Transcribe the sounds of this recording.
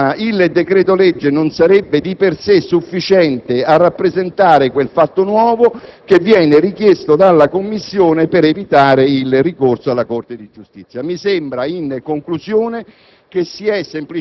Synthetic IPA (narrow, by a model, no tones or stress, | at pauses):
aild̪ekɾɛːt̪olɛd͡ʒːenonsaɾɛbːed̪ipersesːufːit͡ʃɛnt̪earːapːɾezent̪aːɾekwelfat̪ːonwɔːvokevːjɛːnɪrik̟jest̪od̪alːakomːisːjoːnepeɾevit̪aːɾeilrikorsoalːakort̪ed̪id͡ʒust̪it̪sjamisɛmbɾainkoŋkluzjoːne | k̟esiɛsːempli